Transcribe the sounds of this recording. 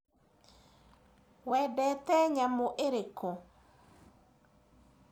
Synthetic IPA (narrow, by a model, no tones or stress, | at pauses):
wɛdɛt̪ɛɲamoʔeɾeko